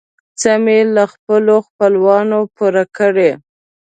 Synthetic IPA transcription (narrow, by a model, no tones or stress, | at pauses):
t͡samelaxpəloxpəlwɑnopuɾakəɽe